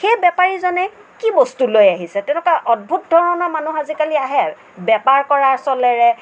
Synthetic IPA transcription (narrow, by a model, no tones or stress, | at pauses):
xejbɛpaɹizɔnɛ | kibɔstulojaɦisɛtɛnɛkaʔɔd̚bʱut̚dʱɔɹɔnɔɹmanuxazikaliaɦɛ | bɛpaɹkɔɹaɹsɔlɛɹɛ